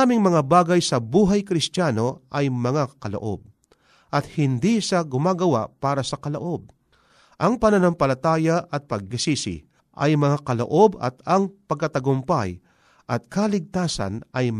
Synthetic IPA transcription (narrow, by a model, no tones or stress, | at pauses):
amɪŋmɐŋabaːɡɐjsɐbuːɦajkɾɪst̪jaːno̞ʔɐjmɐŋakɐlo̰ʔo̞̰b̚ | ʔɐt̪hɪnd̪isɐɡʊmaːɡɐwa̰paːɾɐsɐkɐloʔo̞b̚ | ʔɐŋpɐnɐnampɐlɐt̪aːjaʔɐt̪̚pɐɡ̚ːɪsiːsɪ̰ | ʔɐ̰jmɐŋakɐlo̰ʔo̞bɐ̰t̪ɐŋpɐɡ̚kɐt̪ɐɡʊmpaj | ʔɐt̪̚kalɪɡ̚t̪aːsɐ̰nʔɐj